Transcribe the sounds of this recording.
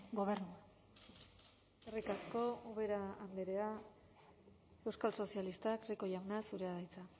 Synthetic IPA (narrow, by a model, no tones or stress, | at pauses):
ɡo̞βeɾnua | erikasko̞oβe̞ɾaːnd̪eɾe̞a | e̞wskalso̞sialist̪akriko̞jawnasuɾe̞aðajt͡sa